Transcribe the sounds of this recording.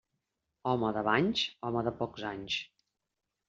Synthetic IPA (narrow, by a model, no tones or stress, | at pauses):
ɔməðəβaɲʲsɔməðəpɔkzaɲs